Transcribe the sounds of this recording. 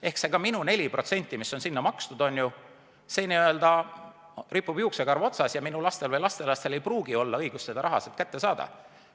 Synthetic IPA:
e̞hkse̞ɡ̥ɑminune̞lʲiprʔo̞t̪se̞nʲt̪ːˑimisːo̞nsinːɑmɑkst̪ud̪̥o̞nʲːju | se̞ːniø̞ld̪̥ɑ | ripːˑub̥jiukseɡɑrvo̞t̪sɑsjɑminulɑst̪e̞lvɤjlɑst̪e̞lɑst̪e̞le̞jpruːɡ̥io̞lːɑɤjɡ̥ussed̪ɑɾɑɦɑ̰set̪kæt̪ːe̞sɑːd̪̥ɑ̰

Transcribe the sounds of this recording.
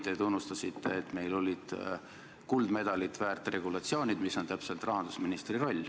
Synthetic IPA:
t̪et̪unːust̪ɑsit̪ːeːt̪ːme̞jlo̞lʲid̪̥ | kuld̪̥me̞d̪ɑlit̪ˑvæːrt̪ːˑre̞ɡulɑt̪sio̞ːnʲid̪̥misːo̞nt̪æpse̞lt̪ˑrɑɦɑnd̪̥usminist̪riro̞lʲː

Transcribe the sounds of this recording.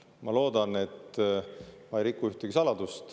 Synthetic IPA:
mɑlo̞ːd̪ɑne̞t̪ː | mɑjɾikːuyht̪eɡ̥isɑlɑd̪ust̪

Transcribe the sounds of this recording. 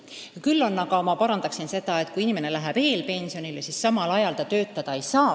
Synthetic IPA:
ɑkylːo̞nːɑɡɑmɑpɑɾɑnd̪ɑksinse̞d̪̥ɑet̪ːˑkujinime̞ne̞læɦæb̥e̞ːlpe̞nʲsio̞nilsisːɑmɑlɑjɑld̪̥ɑt̪ø̞ːt̪ːˑɑd̪̥ɑe̞jsɑː

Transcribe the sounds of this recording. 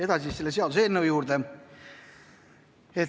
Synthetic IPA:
e̞d̪̥ɑsʲiselːeseɑd̪useeːlnewjuːɾd̪̥e | et

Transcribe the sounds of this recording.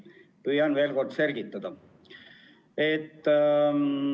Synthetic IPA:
pyjɑnʋe̞ːlko̞rd̪se̞lɡ̥it̪ːɑd̪̥ɑ | et̪ː

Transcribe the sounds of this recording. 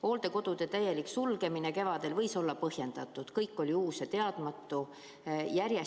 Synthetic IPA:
o̞ːld̪̥e̞ko̞d̪̥ud̪̥e̞t̪æjːe̞liksulɡe̞mine̞ke̞vɑd̪̥e̞lvɤjso̞lːɑpɤhje̞nd̪̥ɑt̪ːˑud̪̥kɤjkːˑo̞lʲiuːset̪e̞ɑd̪̥mɑt̪ːˑu | jæɾje

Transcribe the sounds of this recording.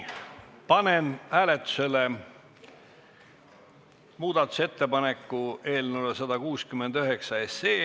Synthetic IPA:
pɑne̞næːlet̪ˑːu̥se̞le | muːd̪̥ɑt̪ːˑu̥se̞t̪ːe̞pɑne̞kːˑue̞ːlnulesɑd̪̥ɑkuːskymːe̞nd̪̥yɦe̞ksɑe̞seː

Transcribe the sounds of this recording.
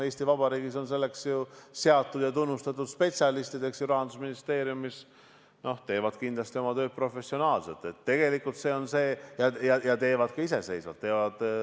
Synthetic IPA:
e̞ːst̪ivɑbɑɾiːɡ̥iso̞ns̬e̞lːe̞ksjuse̞ɑt̪ːud̪̥jɑt̪unːust̪ɑt̪ːˑud̪̥spe̞t̪sjɑlist̪id̪e̞ksjuɾɑɦɑnd̪usminist̪e̞ːɾjumis | no̞ht̪e̞ːvɑd̪̥kind̪̥lɑst̪io̞mɑt̪ø̞ːt̪̚pro̞fe̞sːio̞nɑːlse̞t̪ːˑe̞t̪ːe̞ɡe̞likːult̪se̞ːo̞nse̞ːjɑjɑjɑt̪e̞ːvɑd̪̥kɑise̞se̞jsvɑ̰t̪ːe̞ːvɑd̪̥

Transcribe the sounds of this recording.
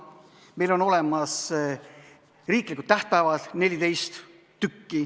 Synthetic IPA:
me̞jlono̞le̞mɑs | riːklikult̪ːæht̪̚pævɑt̪ne̞lʲid̪e̞jst̪ | t̪ykːi

